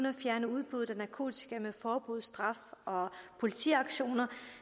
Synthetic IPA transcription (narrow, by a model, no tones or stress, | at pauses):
nɐfjæɐnəuð̞ˠb̥uð̩ˠænækʰo̝̰ːt͡sʰi̥ɡ̥ʰæmefɒːb̥uð̞̰ˠsd̥ʁɑ̈fɒ̽pʰo̝lit͡sʰiɑ̈ɡ̥ɕo̝̰ːnɐ